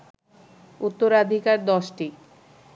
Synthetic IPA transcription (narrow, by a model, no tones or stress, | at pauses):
ut̪ːoɾad̪ʱikaɾd̪ɔʃʈi